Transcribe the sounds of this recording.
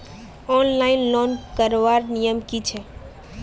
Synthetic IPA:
ɔnlaɪnlɔnkəɾʋaɾnijəmkit͡ʃʰɛ

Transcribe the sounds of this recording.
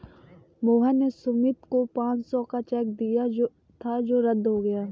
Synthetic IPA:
moːɦɛnesʊmɪt̪kopãːt͡ʃsɔːkat͡ʃɛːk̚d̪ija | t̪ʰad͡ʒoːɾəd̪ɦoɡɐjaː

